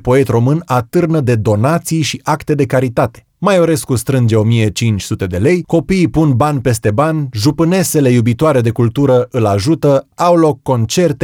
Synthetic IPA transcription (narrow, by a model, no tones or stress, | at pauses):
po̞e̞t̪ro̞mɨnat̪ɨrnəd̪e̞d̪o̞nat̪sijʃiʔakt̪e̞d̪e̞kaɾit̪at̪e̞̥ | majoɾe̞skust̪ɾɨnd͡ʒe̞o̞mije̞t͡ʃint͡ʃʲsut̪e̞d̪e̞le̞jko̞piːpunbanʲpe̞st̪e̞banʲʒupɨne̞se̞le̞jubit̪oaɾe̞d̪e̞kult̪uɾəʔɨlaʒut̪əawlo̞kːo̞nt͡ʃe̞rt̪e